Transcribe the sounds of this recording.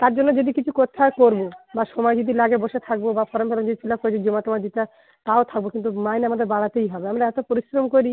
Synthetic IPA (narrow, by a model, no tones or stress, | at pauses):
t̪aɾd͡ʑonːod͡ʑod̪ikit͡ɕʰukot̪ʰakoɾbobaʃɔmɔed͡ʑod̪ilaɡeboʃet̪ʰak̚bobafɔɾompɛlamod̪ifʰilakoɾet͡ɕʰed͡ʑomat̪omad̪it̪a | t̪aot̪ʰak̚bokint̪umajneamad̪eɾbaɽat̪ejɦɔbeamɾaɛt̪opoɾiʃɾomkoɾi